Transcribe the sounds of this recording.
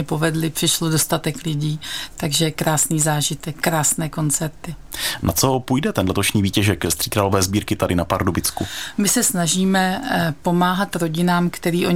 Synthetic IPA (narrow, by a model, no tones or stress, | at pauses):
ɛpo̞vɛdlɪpr̥ɪʃlodo̞st̪at̪ɛklɪɟiːt̪aɡʒɛkɾaːsniːzaːʒɪt̪ɛkːɾaːsnɛːko̞nt͡sɛɾt̪ɪnat͡so̞puːjdɛt̪ɛnlɛt̪oʃɲiːviːcɛʒɛkɛst̪r̥iːkɾalovɛːzbiːɾkɪt̪adɪnapaɾdobɪt͡skumɪsɛsnaʒiːmɛpo̞maːɦat̪ɾo̞ɟɪnaːmkt̪ɛɾiːʔo̞